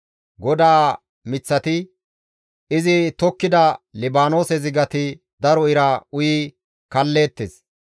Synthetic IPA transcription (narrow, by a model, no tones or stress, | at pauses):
ɡɔd̪aː | mɪt͡sːɐt̪ɪ | ɪzɪt̪ɔkːɪd̪ɐlɪbaːno̞ːsɛzɪɡɐt̪ɪ | d̪ɐɾɔɪɾɐʊjiː | kɐlːe̞ːt̪ːes